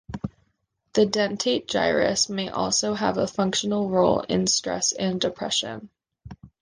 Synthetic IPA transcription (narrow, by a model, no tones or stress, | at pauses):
ðɨdɛ̃ntʰeɪt̚d̥ʒ̥a̰ɪɹɨ̰smeɪʔɔ̰lˠsoʊəvəfʌ̃ŋkʃɨn̩l̩ˠɹoʊlˠɪ̰̃nstɹ̥ɛ̰sɨ̃ndɨpʰɹ̥ɛʃɨ̰̃n